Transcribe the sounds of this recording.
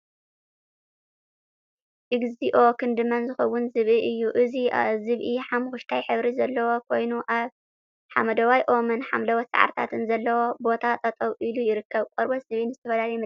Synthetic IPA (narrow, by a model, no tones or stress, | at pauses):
ʔɨɡziʔo̞kʰɨnd̪ɨmɐnzɨxɐwːʊnzɨβʔiʔɨjːuʔɨziʔa̰zɨβʔiħamxʊʃt̪ʰajħɨβɾizɐlːɐwo̞kʰo̞jnuʔaβ | ħa̰mɐd̪ɐwajʔo̞mɐnħa̰mlɐwɐt̪sa̰ʕa̰ɾt̪ʰa̰t̪ʰɨnzɐlːɐwo̞bo̞t̪ʰat̪ʼɐt̪ʼɐwʔilujɪɾɨkːɐβkʼɐɾboz̥ɨβinɨzɨt̪ʰɐfɐlalɐjmɨ